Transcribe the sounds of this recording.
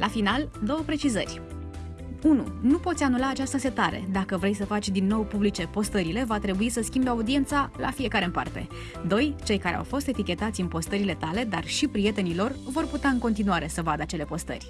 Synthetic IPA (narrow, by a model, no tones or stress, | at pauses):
lʔafinald̪o̞wəpɾe̞t͡ʃizərʲ | unṵnupo̞t̪sʲanulaːt͡ʃast̪əse̞t̪aɾe̞̰d̪akəvɾe̞jsəfat͡ʃʲd̪inːo̞wpublit͡ʃe̞po̞st̪əɾile̞vat̪ɾe̞buisəskʲimbeaud̪ie̞nt̪sala̰fije̞kaɾe̞ɨmpa̰rt̪e̞̰ | d̪o̞jt͡ʃe̞jkaɾe̞̰a̰wfo̞st̪e̞t̪ikʲe̞t̪at̪sʲɨnpo̞st̪əɾile̞t̪ale̞d̪arʃipɾije̞t̪e̞nilo̞rvo̞rput̪aɨŋko̞nt̪inuaɾe̞səvad̪əat͡ʃe̞le̞po̞st̪ə̰rʲ